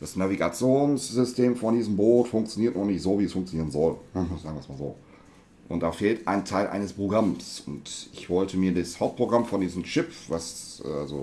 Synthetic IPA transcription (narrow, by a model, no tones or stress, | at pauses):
d̥asnaviɡat͡sjoːnsz̥ʏstʰeːmfɔndiːzəm̩boːtfʊŋkt͡sjoniːɐtnɔχnɪçtz̥oːviːɛsfʊŋkt͡sjoniːʁənzɔlzaːɡŋviɐsmaːlzoː | ʔʊ̰ntd̥aːfeːltʔa̰ɪntʰaɪlʔa̰ɪnəspʁoɡʁamsʊntɪçv̥ɔltəmiːɐdishaʊp̚t̚pʁ̥oɡʁamfɔndiːzəm̩t͡ʃɪpvasalzo̰